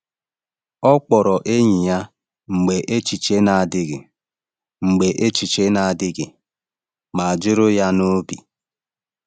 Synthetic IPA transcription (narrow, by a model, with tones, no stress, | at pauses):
ɔ˦k͡pɔ˨ɾɔ˨ʔe˦ɲi˨ja˦ | ŋ͡m̩˨ɡ͡be˨ʔe˦t͡ʃi˨t͡ʃe˦na˨a˨dɪ˦ɡɪ̰˨ | ŋ͡m̩˨ɡ͡be˨ʔe˦t͡ʃi˨t͡ʃe˦na˨a˨dɪ˦ɡɪ˨ | ma˨a˨d͡ʒʊ˦ɾʊ˦ja˦no˦bḭ˨